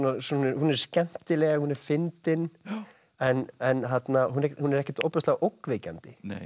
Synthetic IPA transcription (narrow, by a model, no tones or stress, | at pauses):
nasunhunɛɾ̥scɛn̥t̪ɪlɛːɣahunɛɾ̥fɪnt̪ɪn | ɛnɛnθat̪naɦunhunɛɾɛhcɪt̪owplɛst̪aɣʔowkvɪcant̪ɪn̰